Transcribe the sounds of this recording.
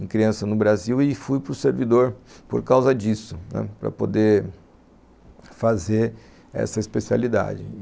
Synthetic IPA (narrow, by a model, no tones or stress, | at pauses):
ẽkɾiɐ̃sɐnʊbɾaziwɪfujpɾʊseɾvid̪oɾpo̰ɾkawzɐd͡ʒisʊnɛ̰pɾɐ̰pod̪eɾ | fazeɾ | ɛ̰sɐispesia̰lid̪a̰d͡ʒɪ̰